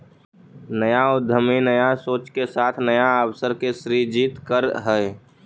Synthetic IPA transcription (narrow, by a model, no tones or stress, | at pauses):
nəjaʊd̪ʱəminəjasoːt͡ʃkesaːt̪ʰnəjaəwsəɾkesɾid͡ʒiːt̪kəɾɦɛe